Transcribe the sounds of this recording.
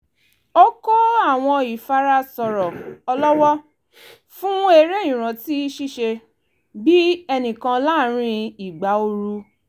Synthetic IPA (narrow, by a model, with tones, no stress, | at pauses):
o˦ko˦a˦˨w̃ɔ̃˧i˨fa˦ɾa˦sɔ˨ɾɔ˨ɔ˧lɔ˦wɔ˦ | fũ˦e˧ɾe˦ĩ˨ɾ̃ã˨ti˨˦ʃi˦˨ʃe˧ | bi˦ɛ˧nĩ˨kã˧la˦˨ɾ̃ĩ˧i˨ɡ͡ba˨˦o˧ɾu˧